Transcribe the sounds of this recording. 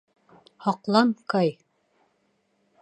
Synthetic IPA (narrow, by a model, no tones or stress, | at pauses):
hɑqlˠɑmkɑj